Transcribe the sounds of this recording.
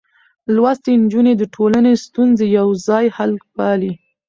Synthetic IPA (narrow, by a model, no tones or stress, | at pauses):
lwast̪end͡ʒuned̪əʈʰolanest̪unzejawzɑjhalpɑli